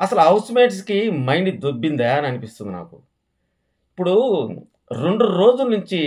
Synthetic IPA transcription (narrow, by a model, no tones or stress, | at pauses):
ɐsɐluɐwsimeːʈskimɐjɳɖid̪obːind̪aɐniɐnipist̪und̪ina̰ːkṵ | ipːuɽu | ɾe̞ɳɖuɾo̞ːd͡ʒunuɲt͡ʃi